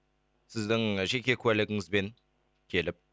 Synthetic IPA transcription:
sɪzd̪ɪŋʒe̞kʲe̞kʰʲʉwælɪɡʲɪŋɪzbeŋ | kʲʰe̞lɪp̚

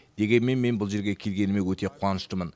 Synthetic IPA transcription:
d̪̥e̞ɡʲe̞nme̞nme̞nbʊlˠʒe̞ɾɡʲe̞kʲʰe̞lɡʲe̞nɪmewɵt̪e̞qʰuɑnəʃt̪əmən

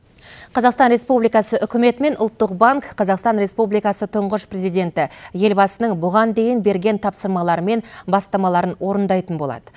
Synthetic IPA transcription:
qʰɑzɑqst̪ɑnɾe̞spublijkɑsəʔʏkʲɪme̞t̪me̞nʔʊlˠt̪ːəq̚baŋkqʰːɑzɑqst̪ɑnɾe̞spublijkɑsət̪ʰʊɴʁəʃpre̞zijd̪ʲe̞nt̪ɪje̞lbɑsənəɴbʊʁɑnd̪e̞jɪnbe̞ɾɡʲe̞nt̪ʰɑpsəɾmɑlˠɑɾəme̞nbɑst̪ɑmɑlˠɑɾənwo̞ɾənd̪ɑjt̪ənbo̞lˠɑ̰d̪ə

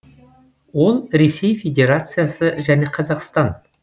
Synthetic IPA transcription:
wo̞lˠɾe̞se̞jfʲe̞dʲe̞ɾat̪sɨjasəʒæne̞qʰɑzɑqst̪ɑn

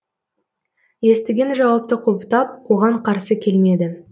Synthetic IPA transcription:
je̞st̪ɪɡʲe̞nʒɑwɑp̚t̪əqʰopət̪ɑp̚wo̞ʁɑɴqʰɑɾsəkʲʰe̞lmed̪ɪ

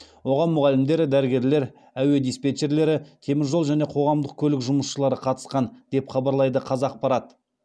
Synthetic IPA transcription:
wo̞ʁɑnmʊʁɑlɪmd̪e̞ɾɪd̪æɾɪɡʲe̞ɾle̞ɾ | æwe̞d̪ijspet̪e̞ɾle̞ɾɪt̪ʰe̞mɪɾʒolˠʒæne̞qʰo̞ʁɑmd̪əq̚kʲʰɵlɪkʒʊməsʃəlˠɑɾəqʰɑt̪ə̥sqɑnd̪̥e̞pχɑbɑɾlˠɑjd̪əqʰɑzɑːq̚pɑɾɑt̪

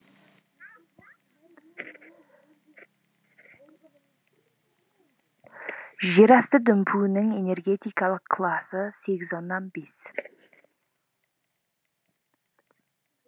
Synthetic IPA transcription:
ʒeɾɑst̪əd̪ʏmpʰunɪŋe̞ne̞rɡʲe̞t̪ijkɑlˠəqʰːlˠɑsəse̞ɡʲɪzonːɑnbe̞s

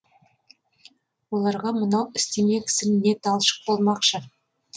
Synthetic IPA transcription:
wo̞lˠɑɾʁɑmənɑwɪst̪e̞me̞kʲʰɪ̥sɪmne̞t̪ɑlˠʃə̥q̚b̥o̞lˠmɑqʃə

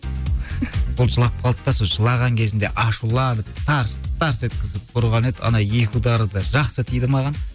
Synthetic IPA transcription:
bʊlˠʒəlˠɑp̚qʰɑlˠd̪əp̚t̪ɑsoʒəlˠɑʁɑŋkʲʰe̞zɪnd̪e̞ʔɑʃulˠɑnəp̚t̪ʰɑɾst̪ʰɑɾse̞t̪̚kʲɪzɪp̚qʰʊɾʁɑned̪ɑ̰nɑje̞kʰʲud̪ɑɾəd̪ɑʒɑqsət̪ʰijd̪ɪmɑʁɑn

